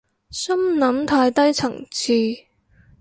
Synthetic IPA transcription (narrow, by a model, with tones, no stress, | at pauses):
sɐ˥mnɐ˨˧˥mt̪ʰaː˧jt̪ɐ˥jt͡sʰɐ̰˨˩ŋt͡sʰiː˧